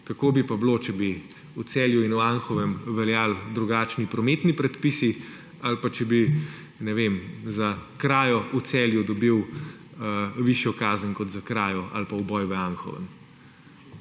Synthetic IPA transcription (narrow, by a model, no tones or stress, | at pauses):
kakoːbipablot͡ʃɛbi | ut̪sɛːljuinuanxɔʋɛmʋɛljaːld̪ɾuɡaːt͡ʃnipɾɔmeːt̪nipɾɛt̪pisi | alpat͡ʃɛbi | nɛʋemzakɾaːjɔut̪sɛːljud̪ɔbiw | ʋiʃjɔkaːzənʲkɔt̪zakɾaːjɔa̰lpawbɔjʋəanxɔ̰ʋə̰m